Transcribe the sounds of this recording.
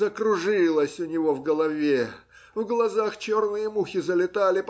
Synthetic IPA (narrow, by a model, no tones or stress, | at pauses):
əkɾʊʐɨlˠəsʲʊnʲɪvo̞vɡəlˠɐvʲe | vɡlˠɐzaxt͡ɕo̞rnɨjəmuxʲɪzəlʲɪt̪alʲɪp